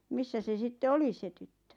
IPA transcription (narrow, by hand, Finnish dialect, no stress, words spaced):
misːæ se sitːe oli se tytːø